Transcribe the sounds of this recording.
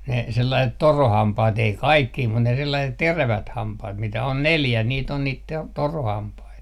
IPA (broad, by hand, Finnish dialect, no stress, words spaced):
ne selːɑiset torohɑmpɑːt ei kɑikːiː mut ne selːɑiset teræʋæt hɑmpɑht mitæ on neljæ niːt on niːt te torohɑmpɑit